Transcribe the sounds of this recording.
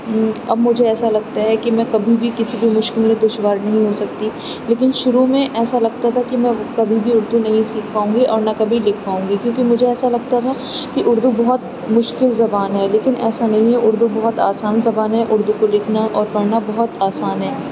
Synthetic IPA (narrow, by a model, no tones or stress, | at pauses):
ɐ̰bmʊd͡ʒʱeɛːsalɐɡ̚t̪aɦɛkimɛ̃kɐbʱibʱikɪsibʱimʊʃkɪlmẽd̪ʊʃʋaːɾnɐɦĩɦosɐk̚t̪i | leːk̬ɪnʃʊɾumẽʔɛːsalɐɡ̚t̪at̪ʰakimɛ̃kɐbʱibʱiʊɾd̪unɐɦĩsiːkʰpaːũːŋɡiʔɔːɾnɐkɐbʱilɪkʰpaːũːŋɡikjõːkimʊd͡ʒʱeɛːsalɐɡ̚t̪at̪ʰa | kiʔʊɾd̪ubɔɦɔt̪̚ | mʊʃkɪlzɐbaːnɦɛːleːkɪnɛ̰ːsanɐɦĩɦɛʔʊɾd̪ubɔɦɔt̪a̰ːsaːnzɐbaːnɦɛʔʊɾd̪ukolɪkʰnaʔɔːɾpɐɾnabɔɦɔt̪aːsaːnɦɛː